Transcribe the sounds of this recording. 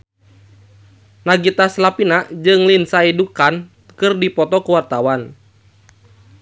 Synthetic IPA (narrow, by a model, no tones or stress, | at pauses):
naɡit̪aslapinaʔd͡ʒɨŋlinsaidukan | kɨrdipɔt̪ɔkuwart̪awan